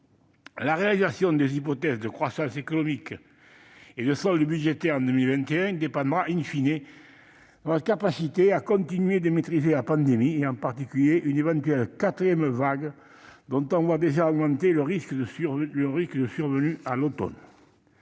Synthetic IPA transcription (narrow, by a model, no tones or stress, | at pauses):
laʁealizasjɔ̃d̪ezip̬ɔt̪ɛzəd̪əkχwasɑ̃sekɔnɔmik | ed̪əsɔld̪əbyd̪ʒet̪ɛʁɑ̃nd̪əmilvɛ̃nt̪eɛ̃d̪epɑ̃d̪ʁaʔynfine | d̪nɔt̪əkapasit̪eakɔ̃nt̪inɥed̪əmet̪χizelapɑ̃nd̪emieɑ̃paʁt̪ikyljeʔynevɑ̃nt̪ɥɛlkat̪χijɛmvaɡ | d̪ɔ̃nt̪ɔ̃vwad̪eʒaɔɡmɑ̃nt̪eləʁiskəd̪əsyʁləʁiskəd̪əsyʁvənyalot̪ɔ̰n